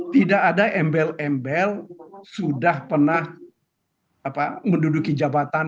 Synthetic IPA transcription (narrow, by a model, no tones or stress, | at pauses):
t̪idakadaʔɛmbɛlɛmbɛlsudahpərnah | apaməndudukid͡ʒabat̪a